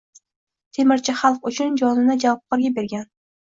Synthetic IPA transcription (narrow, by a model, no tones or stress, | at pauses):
t̪ʰemɪɾt͡ʃʰɪχɑlˠq̚ʊt͡ʃʰʊnd͡ʒɒnɪnɪd͡ʒavɒp̚qʰɒɾɡʲabe̞ɾɡʲan